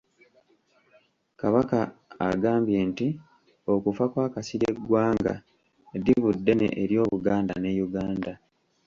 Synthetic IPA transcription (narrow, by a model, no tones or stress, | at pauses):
kaβakaːɡaːmbje̞nti | o̞kufakwaːkasiɾeɡwaːŋɡa̰ | diβudːe̞nḛʔeɾjo̞ːβuɡaːnda̰ne̞ːjuɡaːnda